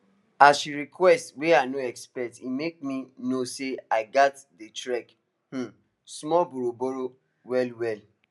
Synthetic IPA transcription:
asʃiɾikʰwɛstweanoɛkspɛk̚timek̚mĩnoseaɪɡatdetɹɛk | h̩ | smɔboɾoboɾo | wɛlwɛl

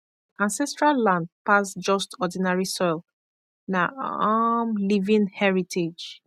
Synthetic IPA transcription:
ãnsɛstɹalːãnd̚pasd͡ʒɔstɔdinaɹisɔjl | naamlivĩnhɛɹitʰed͡ʒ

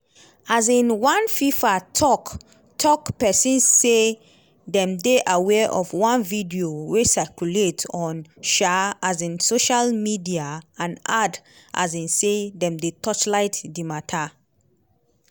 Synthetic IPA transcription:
azĩnwãnfifatʰɔk | tʰɔkpɛsĩnsːe | dɛ̃mdeʔawɛʔɔfwãnvidiowesakjuletɔ̃nʃaazĩnsoʃalmidiaãnad | a̰zĩnsedɛ̃mdetʰɔt͡ʃlaɪtdimatʰa

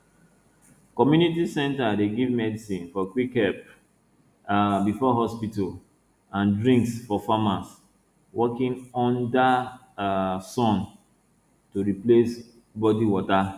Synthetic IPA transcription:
kɔmjunitisɛ̃ntadeɡivmɛdisĩnfɔkwikhɛp̚ | abifɔɦɔspital | ãndɹĩŋksfɔfamas | wʔɔkĩnɔ̃nda | sɔ̃n | toɹiples | bɔdiwɔta

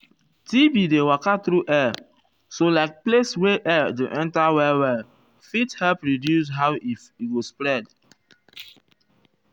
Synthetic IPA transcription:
tibidewakatɾuʔɛ | solaɪk̚plesweʔɛdḛʔɛ̃ntawɛwɛl | fithɛlpɹidjusɦawifiɡospɾɛd

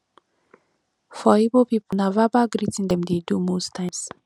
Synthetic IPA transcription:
fɔibəlpiponavabaɡɾitĩndɛ̃mdedumostʰãɪ̃ms

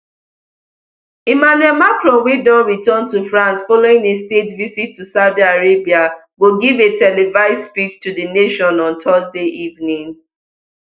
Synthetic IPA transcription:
imanuɛlmakɹɔ̃nwidɔ̃nɹitɔntufɹãnsfɔloɪ̃ŋestetvisitʰːusaʊdiaɹebia | ɡoɡivetʰɛlevaɪssspit͡ʃtuðəneʃɔ̃nɔ̃ntʰɔzdeʔivnĩŋ

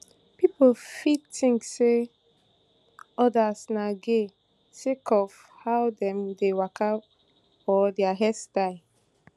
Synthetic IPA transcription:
pipofitĩŋkse | ɔdasnaɡe | sekʰɔf | hawdɛ̃mdewakʰa | fɔdɛaɦɛstaɪ

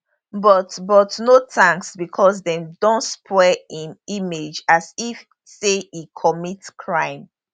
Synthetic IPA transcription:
bɔtbɔtnotʰãŋksbikʰɔs̬dɛ̃mdõntspʰwɛĩnimed͡ʒasif | seikʰɔmitkʰɹãɪ̃m

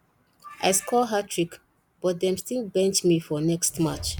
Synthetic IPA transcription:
ʔa̰ɪskʰɔlɦatʰɹik | b̥ɔt̚dɛ̃mstilbɛ̃nt͡ʃmifɔnɛkstmat͡ʃ

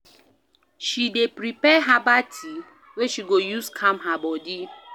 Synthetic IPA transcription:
ʃidepɾipɛɦabatʰi | weʃiɡojuskʰãmɦabɔdi

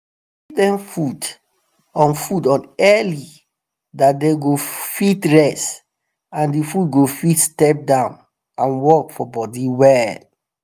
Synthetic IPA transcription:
kidɛ̃mfud | ɔ̃nfudɔ̃nɛli | dat̚dɛ̃ɡofitɹɛs | ãndifut̚ɡofitstɛp̚dãʊ̃n | ãnwɔkfɔbɔdiwɛl

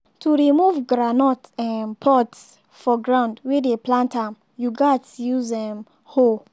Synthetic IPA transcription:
tʰuɹimuvɡɾanɔtɛ̃npʰɔts | fɔɡɹãʊ̃ndwɛdeplãntãm | juɡatsjuzɛ̃m | ho

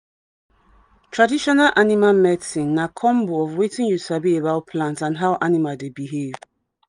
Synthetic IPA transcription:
tʰɹadiʃɔnalʔanimamɛtĩnːakʰɔ̃mboɔvwetĩnjusabiebaʊpʰlãntãnɦaʊʔanimadebiɦev

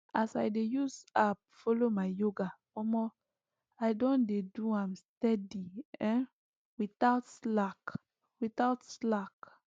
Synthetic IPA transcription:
ʔasajdejusap̚fɔlomaɪjoɡafɔmɔ | aɪdɔ̃ndeduãmstɛdiɛ̃ | wiθaʊtslak | witaʊtslak

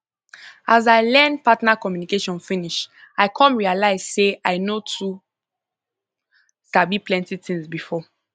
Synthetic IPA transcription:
azaɪlɛ̃ndpatnakɔmjunikeʃɔ̃nfĩniʃ | aɪkʰɔ̃nɹialaɪz̥seaɪnotʰu | stabiplɛ̃ntitĩŋzbifɔ

